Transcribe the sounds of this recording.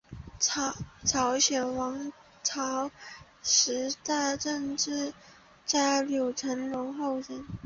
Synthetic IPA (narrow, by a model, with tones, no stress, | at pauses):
ʈ͡ʂʰɑ˧˥ʊɕɥɛ˨˩nwɑ˧˥ŋ | ʈ͡ʂʰɑ˧˥ʊ | ʂɻ̩˧˥t̪a˥˧ɪʈ͡ʂə˥˧ŋʈ͡ʂɻ̩˥˧ | t͡sa˥˩ɪlju˨˩ʈ͡ʂʰə˧˥nlʊ˧˥ŋxo˥˩ʊʈ͡ʂə˧˥n